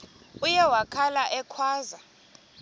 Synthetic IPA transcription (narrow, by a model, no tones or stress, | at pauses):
ujɛwakʰalaʔɛkʰwaːza